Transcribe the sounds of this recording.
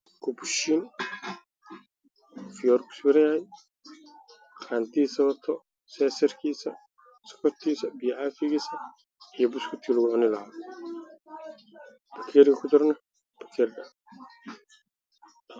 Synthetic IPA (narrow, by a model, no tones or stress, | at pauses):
kʰʊbʊʃiːn | fɪjɔːɾkʰʊ̥swɛɾɐjahɛj | qʰaːnt̪ʰiːsɐβɐb̚t̪ʰɔ | sɛːsɐrkʰiːsɐ | sɔ̥kʰɔt̪ʰiːsɐbijʕaːfɪɣiːsɐ | ijɔbʊskʰɪt̪ʰiːlʊɣʊʕʊnɪlɐhaː | b̥ɐkʰɛːɾkʰɐkʰʊd̪ɐɾnɐ | b̥ɐkʰɛːrɡɐ